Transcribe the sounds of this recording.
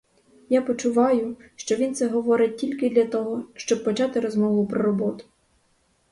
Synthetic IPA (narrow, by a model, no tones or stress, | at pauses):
japɔt͡ʃʊʋɑjʊʃt͡ʃɔʋʲint̪sɛɦɔʋɔɾɪt̚ʲtʲilʲkɪd̪lʲɐt̪ɔɦɔʃt͡ʃɔb̚pɔt͡ʃɑt̪ɪɾɔzmɔʋʊpɾɔɾɔbɔt̪ʊ̥